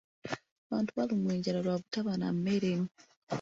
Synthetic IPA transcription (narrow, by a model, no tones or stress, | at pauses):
aβaːntuβalimweːɲɟaɾaɾwaβutaβana̰mmeɾemi